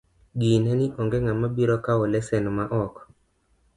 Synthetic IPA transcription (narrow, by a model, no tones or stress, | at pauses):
ɡinɛniʔɔŋɡɛŋamabiɾɔkawɔlɛsɛnɔmaʔɔk